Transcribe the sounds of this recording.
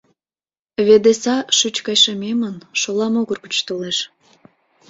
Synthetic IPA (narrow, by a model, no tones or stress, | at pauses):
βed̪esɑʃyt͡ɕkɑjʃəmemənʃolɑmoɣərkut͡ɕt̪oleʃ